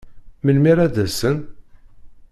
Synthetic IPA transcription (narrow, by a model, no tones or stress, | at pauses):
məlmiɾæðæsən